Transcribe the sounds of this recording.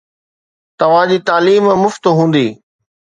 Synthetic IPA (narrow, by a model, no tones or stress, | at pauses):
t̪ɐʋ̤ãd͡ʑiːt̪aːliːmmʊft̪ɦũːn̆d̪iː